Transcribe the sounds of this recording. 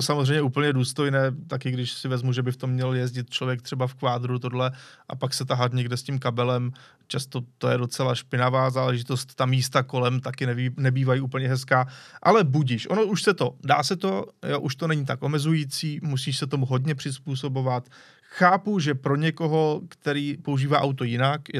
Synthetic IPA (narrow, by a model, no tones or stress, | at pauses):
t̪osamozrɛjɲɛuːpl̩ɲɛduːst̪o̞jnɛːt̪akɪɡdɪʃsɪvɛzmuʒɛbɪft̪o̞mːɲɛljɛzɟɪt̪̚t͡ʃlo̞vjɛkt̪r̥ɛbafkvaːd̪ɾut̪̬o̞dlɛʔa̰paksɛt̪aɦat̪ɲɛɡdɛscimkabɛlɛm | t͡ʃast̪o̞t̪ojɛdo̞t͡sɛlaʃpɪnavaːzaːlɛʒɪt̪o̞st̪t̪amiːst̪ako̞lɛmt̪akɪnɛvinɛbiːvajiʔuːpl̩ɲɛɦɛskaːʔa̰lɛbuɟiʃʔono̞ʔuʃsɛt̪o̞da̰ːsɛt̪o̞joʔuʃt̪o̞nɛɲɪt̪akʔo̞mɛzujit͡siːmusiːʃsɛt̪o̞muɦo̞dɲɛpr̝̥ɪspuːso̞bo̞vat̪ | xaːpuʒɛpɾo̞ɲɛko̞ɦo̞kt̪ɛɾiːpo̞uʒiːvaːʔawt̪ojɪnak